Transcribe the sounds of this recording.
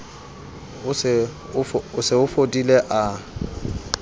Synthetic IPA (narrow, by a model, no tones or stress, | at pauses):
ʊsɪ | ʊfʊsɪʊfodʼileʔa